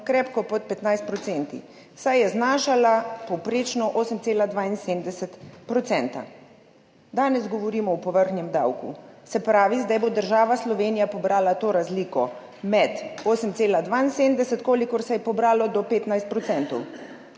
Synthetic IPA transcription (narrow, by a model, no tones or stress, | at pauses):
kɾɛːpkɔpɔt̪̚pɛt̪najst̪̚pɾɔt̪sɛnt̪ḭ | sajɛznaːʃalapɔwpɾeːt͡ʃnɔʔoːsəmt̪seːlad̪ʋaːinsemd̪ɛsɛt̪pɾɔtsɛnt̪a̰ | d̪aːnɛzɡɔʋɔɾiːmɔwpɔʋəɾxnjɛmd̪a̰wkṵsɛpɾaːʋizd̪ajbod̪əɾʒaːʋaslɔʋeːnijapɔbɾaːlat̪oːɾazlikɔ | mɛt̪oːsəmt̪seːlad̪ʋainsemd̪ɛsɛt̪koːlikɔɾsɛjɛpɔbɾaːlɔd̪ɔpeːt̪najst̪pɾɔt̪sɛnt̪ɔw